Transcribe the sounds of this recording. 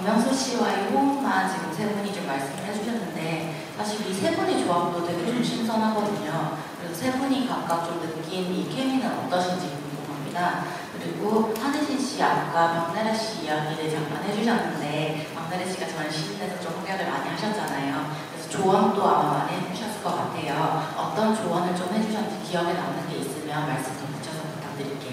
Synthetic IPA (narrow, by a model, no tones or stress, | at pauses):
mjʌŋsʰoɕ͈iwaehomant͡ɕiɡɯmsʰe̞buɲit͡ɕomːaɭs͈ɯmɯɭɦed͡ʑuɕʰʌnːɯnde̞ | sʰaɕʰiɾisʰe̞buɲit͡ɕoamtotʰeɡeɾomɕʰinsʰʌnɦaɡʌdɯɲokɯɾesʰʌsʰe̞buɲikak̚k͈ak̚t͡ɕ͈omnɯk͈inik͈ʰeminɯnʌ̰t͈ʌɕʰind͡ʑiɡibunsʰokaŋɲida | kɯɾiɡohaneɕʰinɕ͈ia̰k͈amaŋnaɾeɕ͈ijaɡiɾɯjaŋ̚p͈anɦe̞d͡ʑuɕ̬ʰʌnːɯnde̞ | maŋnaɾeɕ͈iɡat͡ɕʌnɕʰiindedʰot͡ɕ͈omɦaŋjaɡɯɭmaɲiɦaɕʰʌt̚t͡ɕ͈anajokɾesʰʌt͡ɕoʌnt͈oamama̰ɲihed͡ʑuɕʰʌs͈ɯ̥ɭk͈ʌk͈atʰe̞joʌ̰t͈ʌnt͡ɕowʌnɯɭt͡ɕomhe̞d͡ʑuɕʰʌnkijʌɡena̰nɯnɡeis͈ɯmjʌnmaɭs͈ɯmtʰiput͡ɕʰʌsʰʌkut͈ʰak̚t͈ɯɾik͈e